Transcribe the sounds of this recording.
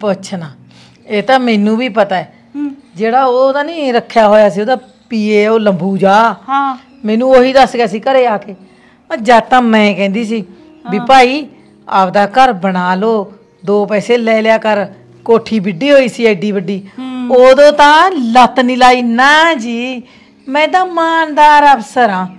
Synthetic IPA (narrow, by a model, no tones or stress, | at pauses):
poətːʃʰaːnaː | eːt̪ãːmɛ̃ːnũːbiːpət̪aːɛː | d͡ʒeːɽaːoːt̪ãːnĩːɾəkʰːjaːɦoːjaːsiːoːd̪aː | piːeːoːləmbuːd͡ʒaː | mɛ̃ːnũːoːɦiːd̪əsɡaːsiːkəɾeːaːkeː | əd͡ʒaːt̪ãːmɛ̃ːkɛ̃ːnd̪iːs̬iː | biːpaːiː | apd̪aːkəɾbəɽaːloː | d̪oːpɛːseːlɛːljaːkəɾ | koːʈʰiːbɪɖiːɦoːiːsiːɛːɖiːbəɖiːoːd̪õːt̪ãːlət̪niːlaːiːnaːd͡ʒiː | mɛ̃ːd̪aːmaːnd̪aːɾəbsəɾãː